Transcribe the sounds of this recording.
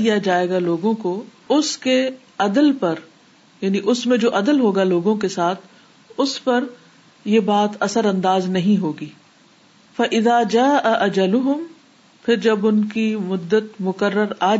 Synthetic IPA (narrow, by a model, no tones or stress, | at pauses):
ijad͡ʒaːeːɡaloːɡõko | ʊske | ɐd̪əlpɐɾ | jaːniʔʊsmẽd͡ʒoːʔɐd̪əlɦoːɡaloːɡõkesaːt̪ʰ | ʊspɐɾ | jebaːt̪ɐsəɾɐ̃nd̪aːznɐɦĩɦoːɡiː | fɐʔɪðaːd͡ʒaːʔɐʔɐd͡ʒɐlʊɦʊm | fɪɾd͡ʒɐbʊnkimʊd̪ːət̪mʊkəɾːəɾaː